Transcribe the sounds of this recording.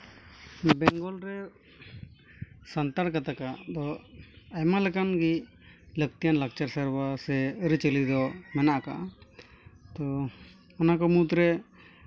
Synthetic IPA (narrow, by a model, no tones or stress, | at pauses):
bɛŋɡɔlɾɛ | sant̪aɾkat̪akad̪ɔajmalɛkanɡi | ləɡ̚t̪ijanlak̚t͡ʃaɾsəɾbasɛəɾət͡ʃəlid̪ɔmɛnaʔaka̰ | t̪ɔ | ɔnakɔmut̪ɾɛ